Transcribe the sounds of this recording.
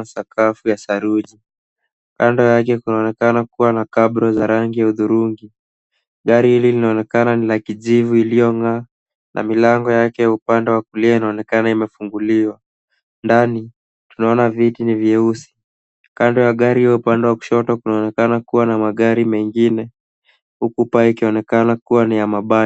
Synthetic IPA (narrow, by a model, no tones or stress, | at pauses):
asakafujasaɾuʄi | kandɔjak̬ɛkunaɔnɛkanakuwanakabɾɔzaɾaŋɡijauðuɾuŋɡi | ɠaɾihililinaɔnɛkananilakiʄivuilijɔŋaː | nʔa̰milaŋɡɔjakɛjaupandɛwakuliainaɔnɛkanaimɛfuŋɡuliwa | ndani | tunaɔnavitiniviɛusi̥ | kandɔjaɠaɾihiwaupandɛwaku̥ʃɔtɔkunaɔnɛkanakuwanamaɠaɾimɛŋɡinɛ | hukupaɛikiɔnɛkanakuwanijamaɓa